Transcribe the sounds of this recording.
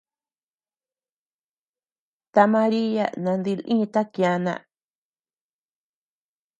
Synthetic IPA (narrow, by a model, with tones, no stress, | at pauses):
t̪a˧mã˧ɾi˦ja̰˦nã˧nd̪i˧lʔḭ̃˦˧t̪a˦kj̃ã˧nã̰˧